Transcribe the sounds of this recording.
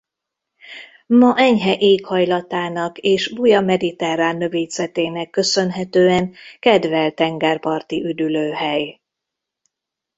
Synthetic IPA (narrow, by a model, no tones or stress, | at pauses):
mɒʔɛɲɦɛʔeːkhɒjlɒt̪aːnɒkeːʃbujɒmɛd̪it̪ɛɾaːnːø̞veːzɛt̪eːnɛkːø̞sø̞nɦɛt̪øːɛŋkɛd̪vɛlt̪ɛŋɡɛrpɒrt̪iʔyd̪yløːɦɛj